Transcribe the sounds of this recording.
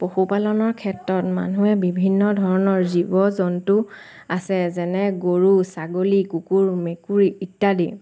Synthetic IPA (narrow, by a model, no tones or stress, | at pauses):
poxupalɔnɔɹkʰɛtɹɔtma̰nuɛbibʱinːɔdʱɔɹɔnɔɹzibɔzɔntu | asɛzɛnɛɡoɹusaɡolikukuɹmekuɹiitːadi